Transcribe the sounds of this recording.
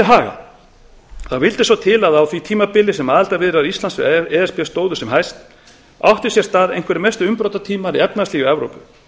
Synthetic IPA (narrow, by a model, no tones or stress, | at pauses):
ɦaːɣa̰ | θaðvɪlt̪ɪsvɔt̪ʰɪlaðawθvit̪ʰiːmapɪlːɪsɛmaːðɪlt̪avɪðɾaɾist̪lansʏ̰ɛɛspɛst̪oːwðʏsɛmɦajst̪ | a̰wht̪ɪsjɛɾ̥st̪aːðḛjn̥ŋkʰvɛɾɪmɛst̪ʏʏmpɾowt̪at̪ʰiːmaɾiɛpnasliːɣʏɛvɾo̰wpʏ̰